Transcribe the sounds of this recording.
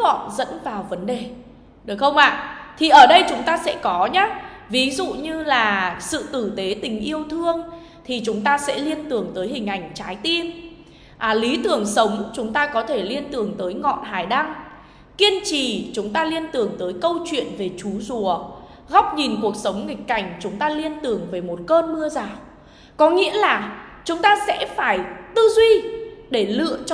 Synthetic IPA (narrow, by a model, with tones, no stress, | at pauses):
ɔ̰˧˨nzə̰˧˥nvaː˨˩wvə˨˦nɗe˨˩ | ɗɨ˨˩xə˧wŋ͡mʔa̰ː˧˨t̪ʰi˨˩ʔəː˧˩ɗə˧jt͡ɕʊ˨˦ŋ͡mt̪aː˧sɛ̰˧˥kɔ˨˦ɲaː˦vi˨˦zṵ˧˨ɲɨ˧laː˨˩sɨ̰˧˨t̪ɨ˧˩t̪e˨˦t̪ï˨˩ŋ̟ʔi˧əwt̪ʰɨ˧əŋ | t̪ʰi˨˩t͡ɕʊ˨˦ŋ͡mt̪aː˧sɛ̰˧˥li˧ənt̪ɨ˨˩əŋt̪əː˨˦jhï˨˩ŋ̟ʔa˧˩jŋ̟t͡ɕaː˨˦jt̪i˧ən | ʔːli˨˦t̪ɨ˨˩əŋsə˨˦wŋ͡mt͡ɕʊ˨˦ŋ͡mt̪aː˧kɔ˨˦t̪ʰe˧˩li˧ənt̪ɨ˨˩əŋt̪əː˨˦jŋɔ̰˧˨nɦaː˨˩jɗa˧ŋ | ki˧ənt͡ɕi˨˩t͡ɕʊ˨˦ŋ͡mt̪aː˧li˧ənt̪ɨ˨˩əŋt̪əː˨˦jkə˧wt͡ɕwḭ˧˨ənve˨˩t͡ɕu˨˦zu˧˩ə | ɣa˦˥wk͡p̚ɲi˨˩nku˨˩ək̚sə˨˦wŋ͡mŋï˨˩k̟̚ka˧˩jŋ̟t͡ɕʊ˨˦ŋ͡mt̪aː˧li˧ənt̪ɨ˨˩əŋve˨˩mo˨˩t̚kəː˧nmɨ˧əzaː˨˩w | kɔ˨˦ŋḭ˧˥əlaː˨˩t͡ɕʊ˨˦ŋ͡mt̪aː˧sɛ̰˧˥faː˧˩jt̪ɨ˧zwi˧ɗe˧˩lɨ̰˧˨ət͡ɕ